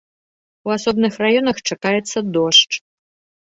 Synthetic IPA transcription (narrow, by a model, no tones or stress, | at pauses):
uasɔbnɨxrajɔnɐxt͡ʂakajɛt̪sːɐd̪ɔʂt͡ʂ